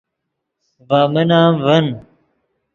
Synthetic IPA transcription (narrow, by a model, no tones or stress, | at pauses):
vaːmənaːmvɐn